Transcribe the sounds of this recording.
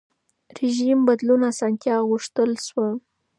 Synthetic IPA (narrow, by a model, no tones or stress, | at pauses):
ɾeʒimbad̪lunasɑnt̪jɑɣʊʂt̪əlʃwə